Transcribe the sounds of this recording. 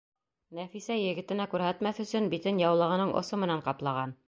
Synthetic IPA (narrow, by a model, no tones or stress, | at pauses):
næfisæjɘ̆ɡɘ̆t̪ɘ̆nækʉɾɦæt̪mæθɵ̆sɵnbit̪ɘnjɑwlˠɤ̆ʁɤ̆nɤɴʔŏ̰sɤmɘ̆næɴqɑplˠɑʁɑn